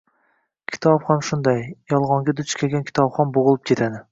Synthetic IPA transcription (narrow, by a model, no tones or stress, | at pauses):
kʲʰɪ̥t̪ʰɒpχamʃʊnd̪ajjɒlˠʁɒŋɡʲad̪ʊt͡ʃkʲʰelɡʲankʲʰɪ̥t̪ʰɒpχɒnboʁɨlˠɪp̚kʲʰe̞t̪ʰad̪ɪ